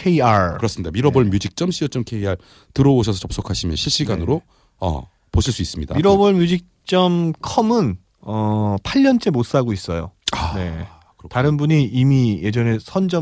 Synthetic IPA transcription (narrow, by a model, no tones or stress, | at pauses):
kʰeiaɾkɯɾʌs͈ɯmɲidamiɾʌbʌɭmjud͡ʑik̚t͡ɕ͈ʌmɕ͈ʰiʌt͡ɕ͈ʌmkʰeiaɾ | tɯɾʌoɕ̬ʰʌsʰʌt͡ɕʌp̚s͈okʰaɕʰimjʌnɕʰiɭɕ͈iɡanɯɾo | ʌ̰ | poɕʰiɭs͈uis͈ɯmɲidamiɾʌbʌɭmjud͡ʑik̚t͡ɕ͈ʌmkʰʌmɯn | ʌpʰaʎːʌnt͡ɕ͈e̞mot̚s͈aɡois͈ʌjo̰ane̞̰ | ktaɾɯnbuɲiimije̞d͡ʑʌne̞sʰʌnd͡ʑʌ